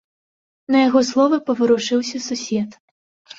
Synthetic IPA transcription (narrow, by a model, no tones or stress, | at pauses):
nɐjaɣɔslˠɔvɐpɐvɨɾuʂɨwsʲɐsusʲɛt̪